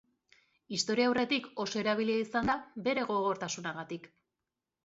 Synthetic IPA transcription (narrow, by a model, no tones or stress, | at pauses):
ist̪o̞ɾiawre̞t̪iko̞so̞e̞ɾaβiliaisand̪abe̞ɾe̞ɣo̞ɣ̞o̞ɾt̪asunaɣ̞at̪ik